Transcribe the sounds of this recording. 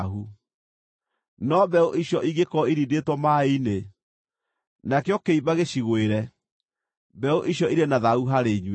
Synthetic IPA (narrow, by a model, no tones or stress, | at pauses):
ɦu | nɔbɛoʔiɕjɔʔiɣekɔiɾidetwɔmaine | nakjɔkeiβaɣeɕiɣweɾɛ | bɛoʔiɕjɔiɾenaðauɦaɾeɲw